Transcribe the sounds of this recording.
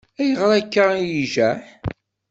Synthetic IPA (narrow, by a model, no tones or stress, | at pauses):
æjəʁɾˤækːaijiʒæħ